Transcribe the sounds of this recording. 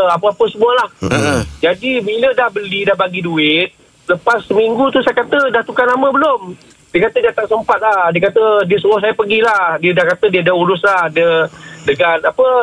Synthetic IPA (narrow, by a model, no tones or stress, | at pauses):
apəapəsəmualahd͡ʒadibilədahbəlidahbaɡiduɪt̪̚ | sələpasːəmiŋɡut̪usajakat̪ədaht̪ukanamə̃bəlom | diəkat̪ədiat̪aŋsəmpat̪̚lahdiəkat̪ədiəsuwɔs̬ajapəɡilahdiədahkat̪ədiədauɾʊslahdiədəɡanapə